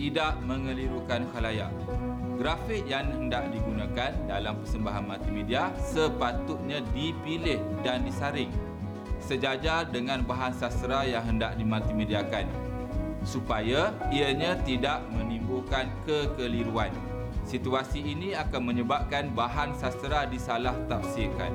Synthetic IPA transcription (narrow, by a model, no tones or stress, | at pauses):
t̪idaʔmə̃ŋəliɾukanhalaja̰ | ɡɾafɪk̚jaŋhəndaʔdiɡunãkandalampərsəmbaɦanmat̪imediasəpat̪ʊt̪̚ɲãdipilɪhdandisaɾɪŋ | səd͡ʒad͡ʒadəŋãnbaɦansasɾajaŋɦəndaʔdimat̪imediakan | supajaiaɲãt̪idaʔmənimbulkankəkəliɾuan | sit̪uasiːnĩakanməɲəbap̚kanbaɦansasɾadisalaht̪ap̚siika̰n